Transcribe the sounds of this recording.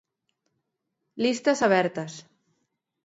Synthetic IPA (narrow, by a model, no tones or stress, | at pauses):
list̪asaβɛɾt̪as